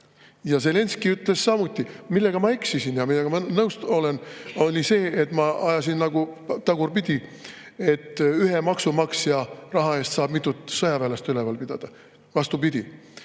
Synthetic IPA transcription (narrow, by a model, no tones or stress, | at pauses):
jɑse̞le̞nskiyt̪ˑlessɑmut̪ʲːˑimilːe̞ɡ̥ɑmɑeksisinjɑmilːeɡ̥ɑmɑnɤwst̪o̞le̞nolʲise̞ːʔet̪ːˑmɑɑjɑs̬inːɑɡ̥ut̪ɑɡ̥urpid̪̥ʲi | e̞t̪ːˑyɦe̞mɑksumɑksjɑrɑɦɑe̞st̪sɑːb̥mit̪ːˑut̪ˑsɤjɑvæːlest̪ylevɑlpid̪̥ɑ̰d̪̥ɑ | vɑst̪upid̪̥ʲi